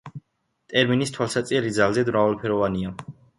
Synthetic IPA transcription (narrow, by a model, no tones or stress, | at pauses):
t̪ʼɛɾminist̪ʰwalˠsat̪sʼɛɾid̪zalˠzɛd̪mɾavalpʰɛɾɔvania